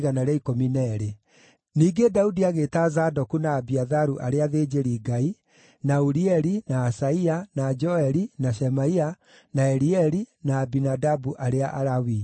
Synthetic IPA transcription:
ɣanaɾɛikominɛɾe | niːɡedaudiaɣeːtazadɔkunaːbiaðaɾuʔaɾeaðed͡ʒeɾiɡai | nauɾiɛɾinaːsaianad͡ʒɔɛɾinaʃɛmaia | naɛɾiɛɾinaːbinadabuʔaɾeaʔaɾawi

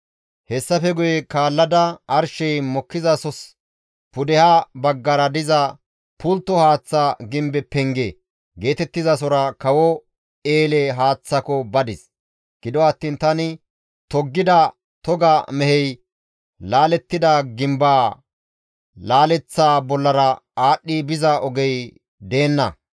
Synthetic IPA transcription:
hɛsːɐfɛɡʊjɛkaːlːɐd̪ɐɐɾʃɛjmɔkːɪzɐsɔs | pʊd̪ɛhabɐɡːɐɾɐd̪ɪzɐ | pʊlt̪ːɔhaːt͡sːaɡɪmbɛpɛŋɡeː | ɡe̞ːt̪ɛt̪ːɪzɐs̬ɔɾɐkɐwɔ | eːlɛɦaːt͡sːɐkɔbɐd̪ɪs | ɡ̥ɪd̪ɔɐt̪ːiːnt̪ɐnɪ | t̪ɔɡːɪd̪ɐ | t̪ɔɡɐmɛhɛj | laːlɛt̪ːɪd̪ɐɡɪmbaː | laːlɛt͡sːaːbɔlːɐɾɐaːɗːibɪzɐɔɡɛj | d̪e̞ːnːɐ̰

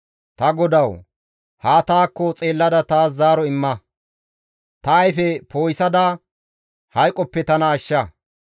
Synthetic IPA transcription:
t̪ɐɡɔd̪ɐw | haːt̪aːkːɔt͡sʼe̞ːlːɐd̪ɐt̪aːszaːɾɔɪmːɐ | t̪ɐːjfɛpo̞ːjsɐd̪ɐ | hɐjkʼːɔpːɛt̪ɐnɐːʃːɐ

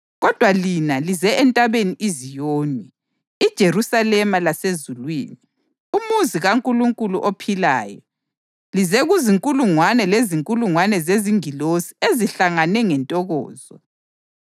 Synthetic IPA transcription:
ɣɔd̥ʱwalinalizɛɛntʼaβeniʔizijoːniː | d̥ʒ̥ʱeɾusalɛmalasezulwḭːni | umuziɣaŋkʼuluŋkʼulṵʔopʰila̰ːjɔ̰ | lizɛɣuziŋkʼuluŋwanɛleziŋkʼuluŋwanɛzeziŋilosi̥eziɬaŋanɛŋɛntʼɔɣɔ̰ːz̥ɔ

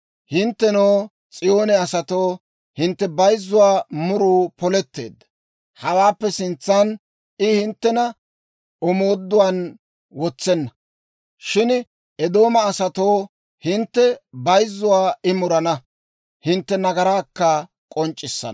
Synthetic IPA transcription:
hɪnt̪ːɛnoː | t͡sʼɪjo̞ːnɛɐsɐt̪o̞ː | hɪnt̪ːɛbɐjzːʊwaːmʊɾuːpɔlɛt̪ːe̞̰ːd̪ːɐ | hɐwaːpːɛsɪnt͡sːɐn | ɪhɪnt̪ːɛnɐ | ɔmo̞ːd̪ːʊwan | wɔt͡sːɛnːɐ | ʃɪn | ɛd̪oːmɐːsɐt̪oː | hɪnt̪ːɛbɐjzːʊwaːɪmʊɾɐnɐ | hɪnt̪ːɛnɐɡɐɾaːkːɐ | kʼɔnt͡ʃʼːɪsːɐ̰n

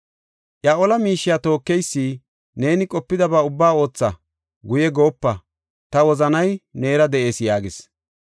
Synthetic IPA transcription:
ʔjaʔɔlɐmiːʃːɪjaːt̪o̞ːkːɛjsːiː | ne̞ːnɪkʼɔpːɪd̪ɐbaːʊbːaːo̞ːt͡sːɐ | ɡʊjɛɡo̞ːpːɐ | t̪ɐwɔzɐnɐjne̞ːɾɐd̪ɛʔe̞ːsjaːɡɪs

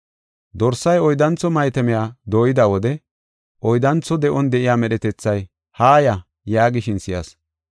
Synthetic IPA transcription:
d̪ɔɾsːɐjɔjd̪ɐnt͡sːɔmɐjt̪ɛmɪjaːd̪o̞ːjɪd̪awɔd̪ɛ | ʔɔjd̪ɐnt͡sːɔd̪ɛʔɔnd̪ɛʔɪjaːmɛɗɛt̪ɛt͡sːɐj | haːjɐ | jaːɡɪʃɪnsɪjɐ̰s

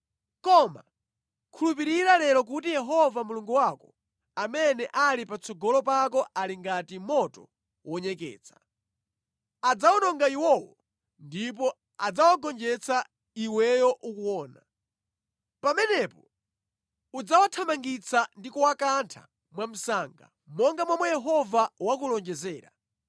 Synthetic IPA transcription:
kɔma̰ | kʰulupiɾiɾalɛɾɔk̬utijɛɦɔvamuluŋɡuwakɔ | amɛnɛʔalipat͡sɔɡɔlɔpak̬ɔʔaliŋɡatimɔtɔ | wɔɲɛkɛ̰ːt͡sʰḁ | ad͡zawɔnɔŋɡaiwɔwɔ̰ | ndip̬ɔ | ad͡zawaɡɔnd͡ʒɛt͡sʰa | iwɛjɔʔukuɔːna | pamɛnɛpɔ | ud͡zawatʰamaŋɡit͡sandikɔwakantʰa̰ | mwam̩saŋɡa̰ | mɔŋɡamwamwɛjɛɦɔvawakulɔnd͡ʒɛzɛːɾa̰

